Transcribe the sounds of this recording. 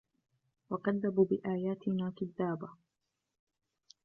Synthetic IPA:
wɑqɑðːabubɪʔaːjaːt̪ɪnaːkʊðːaːba

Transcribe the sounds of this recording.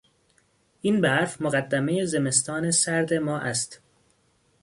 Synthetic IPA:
ʔinbæɾfmoɣæd̪ːæmejeze̞me̞st̪ʰɒːnesæɾd̪e̞mɒːʔæst̪

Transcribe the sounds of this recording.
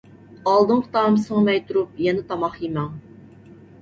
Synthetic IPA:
ɑlˠd̪ɨŋqt̪ɑmsəŋɑmɛjt̪ʰuɾup̚jɛnɪt̪ʰɑmɑχjimɛŋ

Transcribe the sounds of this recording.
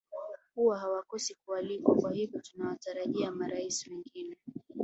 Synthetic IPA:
huwahawakɔsikualikwakwahivjɔtunawataɾaʄiamaɾaisiwɛŋɡinɛ

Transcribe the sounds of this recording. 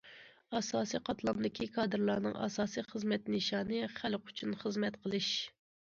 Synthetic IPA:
ɑsɑːsijqʰɑt̪lˠɑmd̪ɪkʲʰikʰɑːd̪ɨɾlˠɑɾnɨŋɑ̰sɑːsiχəzmɛt̪nɨʃɑːnɨχælqʰʊ̥t͡ʃʰunχəzmɛt̪qʰəlˠɨʃ

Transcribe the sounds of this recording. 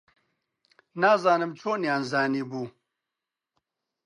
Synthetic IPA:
naːzaːnɨmt͡ʃʰoːnjaːnzaːniːbuː

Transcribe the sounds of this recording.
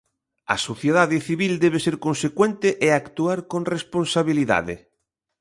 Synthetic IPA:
ɐ̰soθjeðaðɪθiβild̪ɛβ̞eseɾkonsekwent̪ɪʔeakt̪uaɾkõŋrespõnsaβiliða̰ðɪ̰

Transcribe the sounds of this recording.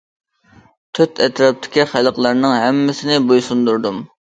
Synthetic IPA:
t̪ʰyt̪ʰɛt̪ɾɑp̚t̪ʰɪ̥kʲiχælˠəqlˠɑɾnɨŋɦɛmːɪsɪnɪbojsund̪uɾd̪um

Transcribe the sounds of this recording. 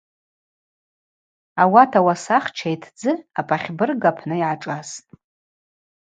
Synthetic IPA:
awatʰawasaχt͡ʃʰajtʰd͡zɨapʼaχʲbɨrɡapʰnɨjʕaʈ͡ʂʼaztʼ

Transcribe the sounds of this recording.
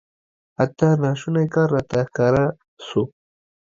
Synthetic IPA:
at̪ːanɑʃunajkɑːɾːɑt̪ahkɑɾa | su

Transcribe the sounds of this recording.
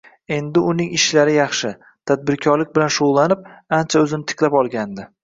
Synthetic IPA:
e̞nd̪ɪʊnɪŋɪʃlaɾɪjɑχʃɪ | t̪ʰad̪̚bɪɾkʲʰɒɾlɪk̚ʲbɪlanʃoʁlˠanɪp̚ant͡ʃʰaɵzɪnɪt̪ʰɪ̥qlapɒlˠɡʲand̪ɪ

